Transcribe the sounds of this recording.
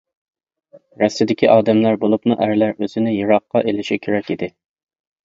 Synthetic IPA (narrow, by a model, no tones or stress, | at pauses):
ɾɛsɪd̪ɪkʲʰiʔɑːd̪ɛmlæɾbolˠupnɨʔæɾlæɾøzɪnɪjɨɾɑqːɑʔelɪʃikʲʰøɾɛkʲid̪ɪ